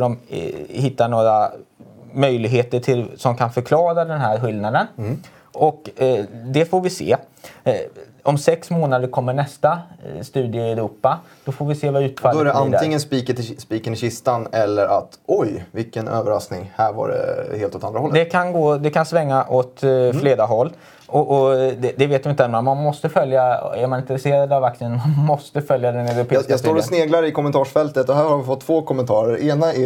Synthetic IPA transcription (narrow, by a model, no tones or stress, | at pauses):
ɾɔmhɪt̪ːaɳoːɾa | mœjlɪɡɦeːt̪əʈʰɪlsɔmkʰanfœɾkʰlɑːɾad̪ɛnɦæːɾɧɪld̪nad̪ən | ɔkd̪ɛfoːɾvɪsḛː | ɔmsɛksmoːnad̪əɾkʰɔmːəɳɛst̪ast̪ʉ̟ːd̪ɪəɛɾuːpːa | d̪̥ɔfoːɾvɪseːvaʉ̟ːt̪fad̪ɛɾɛʔantd̪ɪŋːənspiːkət̪spiːkənɪɕɪst̪anɛlːəɾʔat̪ɔjvɪlkːənø̰ːvəɾa̰sknɪ̰ŋhæːɾva̰ɖɛ̰heːlt̪ɔt̪and̪ɾahɔlːd̪ɛkʰanɡoːd̪ɛkʰansvɛŋːaʔot̪fleːd̪aɦɔlː | ɔʔɔd̪ɛd̪ɛveːt̪d̪ɪɪnt̪ɛmamanmɔst̪əfœljaæɾmanɪnt̪ɾɛseːɾad̪avak̚t̪sɪənmanmɔst̪əfœljad̪ɛnɛɾʊpʰesɑst̪oːɾɔsneːɡlaɾɪkʰɔmːɛnt̪ʰɑːʂfɛlt̪ət̪ɔɦæːɾhaɾvɪfɔt̪ʰːvoːkʰɔmɛnt̪ʰɑːɾəɾeːnaɪ